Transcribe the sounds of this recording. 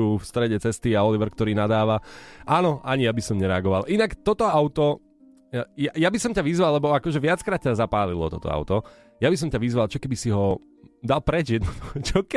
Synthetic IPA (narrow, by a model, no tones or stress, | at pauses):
uːfst̪ɾɛɟɛt͡sɛst̪iaɔliʋɛɾkt̪ɔɾiːnad̪aːʋaʔanɔʔaɲijabisɔmɲɛɾɛaɡɔʋalʔinakt̪ɔt̪ɔaʊt̪ɔ | jajabisɔmcaʋizʋalːɛbɔakɔʒɛʋɪat͡skɾaːt̪̚cazapaːlilɔ̰t̪ɔt̪ɔ̰a̰ʊt̪ɔ | jabis̬ɔmcaʋizʋalˠt͡ʃɔkɛbisiɦɔ | d̪alˠpɾɛd͡ʒjɛd̪nɔd̪t͡ʃɔkɛ